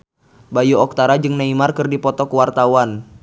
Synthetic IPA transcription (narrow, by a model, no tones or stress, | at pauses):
bajuɔk̚t̪aɾad͡ʒɨŋnaimarkɨrdipɔt̪ɔkəwart̪awan